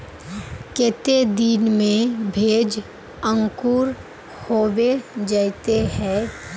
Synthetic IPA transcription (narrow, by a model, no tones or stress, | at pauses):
kɪt̪ed̪inmẽbʱeːd͡ʒ | ə̃ŋkuɾ | hoːwed͡ʒaɪt̪eɦɛ̃ː